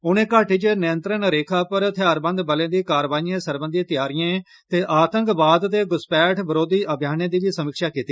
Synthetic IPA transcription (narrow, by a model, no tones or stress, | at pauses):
ʊnẽːkaːʈiːt͡ʃnɪjə̃nt̪ɾənɾeːkʰaːpəɾt̪ʰɪjaːɾbə̃nd̪bəlẽːd̪iːkaːɾʋaːnijẽːsəɾbənd̪ĩːt̪ɪjaːɾijẽː | t̪eːʔaːt̪əŋkbaːd̪t̪eːɡʊspɛːʈʰbəɾoːd̪iːʔəbʱjaːnẽːd̪iːʋiːsəmɪkʃaːkiːt̪iː